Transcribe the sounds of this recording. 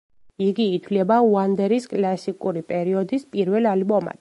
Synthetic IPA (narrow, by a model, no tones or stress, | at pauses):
iɡiːt̪ʰwlɛbauand̪ɛɾiskʼlasikʼuɾipʼɛɾiɔd̪ispʼiɾvɛlalbɔma̰t̪